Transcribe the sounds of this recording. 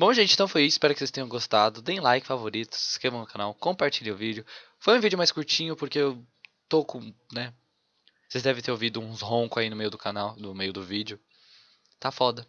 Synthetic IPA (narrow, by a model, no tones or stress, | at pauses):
bõw̃ʒẽnt͡ʃɪ̃t̪ɐ̃w̃fojisʊispɛɾʊkɪ̥sest̪ẽɲ̃ɐ̃w̃ɡost̪ad̪ʊd̪ẽj̃lajkɪ̥favoɾit̪ʊ̥sɪ̥skɾevɐ̃w̃nʊkanawkõpaɾt͡ʃiʎiʊvid͡ʒʊ | fojũvid͡ʒɪʊmajskuɾt͡ʃĩɲʊpoɾkeew | t̪okõnɛ | o̥sezd̪ɛvẽt̪eɾovid̪ʊũshõkʊainʊmejʊd̪ʊkanawnʊmejʊd̪ʊvid͡ʒʊ | t̪afɔd̪ɐ